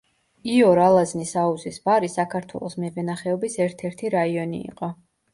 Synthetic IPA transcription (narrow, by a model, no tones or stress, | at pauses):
iɔɾalˠaznisauzisbaɾisakʰaɾt̪ʰwɛ̰lˠɔsmɛvɛnaχɛɔbisɛɾt̪ʰɛɾt̪ʰiɾaiɔnḭːqʼɔ